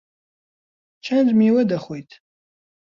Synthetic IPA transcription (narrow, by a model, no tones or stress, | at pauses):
t͡ʃʰɐnd͡zmiwɐdaχʷojtʰʼ